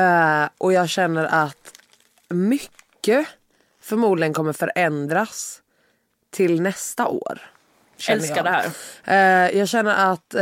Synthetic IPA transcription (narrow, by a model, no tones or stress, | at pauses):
ʔɔjɑːɡɕɛnːəɾʔat̪ | mʏkːə | fœɾmuːd̪lɪɡənkʰɔmːəɾfœɾʔɛnd̪ɾas | t̪ʰɪlnɛst̪aʔo̰ːɾ | ɕɛnːjadɛhæ̰ːɾ | jɑːɡɕɛnːəɾʔat̪